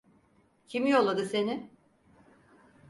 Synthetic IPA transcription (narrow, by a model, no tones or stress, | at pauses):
cʰimijo̞lˠad̪ɯse̞nɪ